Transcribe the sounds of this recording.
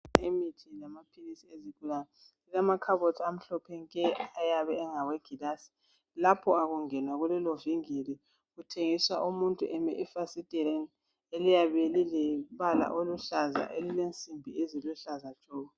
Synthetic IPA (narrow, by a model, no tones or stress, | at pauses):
imitʰilamapʰilisieziɡ̥ʱulanɛ | ilamakʰaβɔtʰam̩ɬɔpʰɛŋkʼɛajaβɛːŋaweɡ̥ʱiɣasi̥ | lapʰɔaɣuŋɛnwaɣulɛloviŋeli | ɣutʰeŋiswaʔumuntʼuʔɛmɛ̰ʔifasid̥ʼɛɾɛn | elijaβelilɛβala̰ʔoluɬaza̰ʔelilent͡sʼimbʱieziluɬazḁt͡ʃʼɔːɣɔ